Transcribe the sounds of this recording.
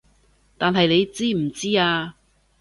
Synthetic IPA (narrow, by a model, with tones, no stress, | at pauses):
t̪aː˨nɦɐ˨jne˨˧jt͡siː˥m̩˨˩t͡siː˥aː˧